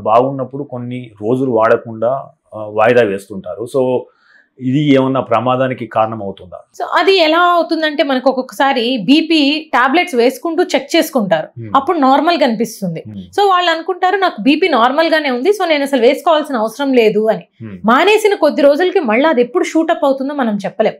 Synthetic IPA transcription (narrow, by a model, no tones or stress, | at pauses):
baːɡunːɐpːuɽuko̞nːiɾo̞ːd͡ʒuluʋaːɽɐkuɳɖaː | ʋaːjd̪aːʋe̞ːst̪uɳʈaːɾuso̞ː | id̪ieːmɐnːapɾɐmaːd̪aːnikikaːɾɐɳɐmɐwut̪und̪a̰so̞̰ːʔɐd̪iɛlaːɐwut̪und̪ɐɳʈe̞ːmɐnɐkiɔkɔkːɐ̥saːɾibiːpiːʈaːble̞ʈsʋe̞ːsu̥kuɳʈuːt͡ʃek̚ːt͡ʃe̞ːsu̥kuɳʈaːɾuɐpːuɽunaːɾmɐlɡɐnipist̪und̪iso̞ːʋaːɭːɐnukuɳʈaːɾunaːkubiːpiːnaːɾmɐlɡaːne̞ːund̪iso̞ːne̞ːnɐsɐluʋe̞ːsu̥kɔːʋaːlsinɐʋɐsɐɾɐmle̞ːd̪uɐnimaːne̞ːsinɐko̞d̪ːiɾo̞ːd͡ʒulɐkimɐɭːaːɐd̪e̞pːuɽuʃuːʈɐpːɐwut̪und̪oːmɐnɐmt͡ʃɛpːɐle̞ːm